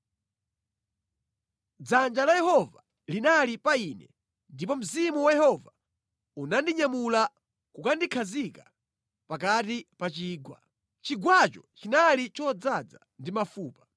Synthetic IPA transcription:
d͡zand͡ʒalajɛhɔva | linalipainɛ | ndipɔm̩zimuwajɛhɔva | unandiɲamula | kukandikʰazika | pakatipat͡ʃiːɡwa̰ | t͡ʃiɡwat͡ʃɔt͡ʃinalit͡ʃɔd͡zad͡za | ndimafuːpḁ

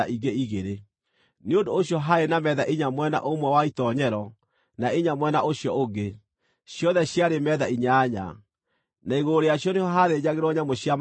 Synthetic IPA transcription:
aʔiɡeiɣeɾe | neondooɕjɔɦaenamɛðaʔiɲamwɛna̰ʔomwɛwaitɔɲɛɾɔ | naeɲamwɛnaʔoɕjɔoɡe | ɕjɔðɛɕjaɾemɛðaiɲaːɲa̰ | naiɣoɾejaɕjɔnehɔɦaðeɲaɣeɾwɔɲamoɕjam

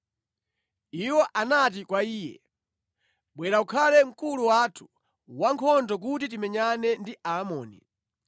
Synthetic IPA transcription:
iwɔʔanat̬ikwaiːjɛ̰ | ɓwɛɾaukʰalɛm̩kuluwatʰu̥ | waŋkʰɔndɔk̬utit̬imɛɲanɛndiʔaːmɔ̰ːnḭ

